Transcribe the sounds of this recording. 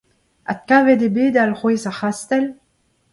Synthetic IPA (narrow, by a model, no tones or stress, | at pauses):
a̰kaːvɛdebeːd̪alʁweːzaχast̪ɛl